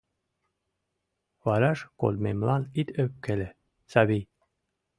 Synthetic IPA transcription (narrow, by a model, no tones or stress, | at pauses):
vɑɾɑʃko̰lmemlɑnit̪ʰøp̚kele | sɑβij